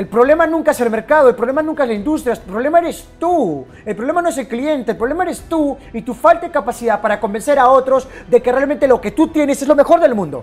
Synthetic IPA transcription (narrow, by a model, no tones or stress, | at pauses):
e̞lpɾoβle̞manũŋkaeselme̞ɾkaðoelpɾolemanuŋkaezlaind̪us̬t̪ɾjapɾo̞βle̞maeɾe̞st̪u | e̞lpɾoβlemanoes̬e̞lklie̞nt̪eːlpɾoβlemaeɾe̞st̪uit̪ufalt̪ekapasiðapaɾako̞mbe̞nse̞ɾao̞t̪ɾo̞zd̪e̞kerealmẽ̞nt̪e̞lo̞ke̞t̪ut̪je̞nese̞zlomexo̞ɾðe̞lmũnd̪o̞̰